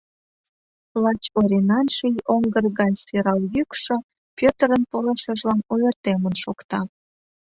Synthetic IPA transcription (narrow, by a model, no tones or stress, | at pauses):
lɑt͡ɕoɾʲenɑnʃijoŋɡərɣɑnseɾɑljykʃə̆ | pʲøt̪ɾənpoleʃə̆ʒlɑnojərt̪emənʃokt̪ɑ